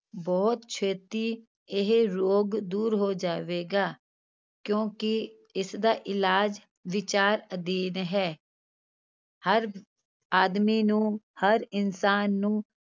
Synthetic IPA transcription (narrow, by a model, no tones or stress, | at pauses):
bɔːt̪t͡ʃʰeːt̪i | ɪɦɾoːɡd̪uːɾɦod͡ʒaːʋeːɡaː | kjõːki | ɪsd̪aːʔɪlaːd͡ʒ | ʋɪt͡ʃaːɾəd̪iːnɦɛː | həɾ | aːd̪minũhəɾɪnsaːnːũ